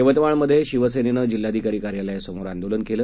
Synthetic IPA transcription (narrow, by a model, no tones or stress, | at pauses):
eʋət̪əʋaɳməd̪ʱːjeɕiʋəsenenəd͡ʑil̤ːad̪ʱikaɾikaɾjalaesəmoɾand̪olənkelə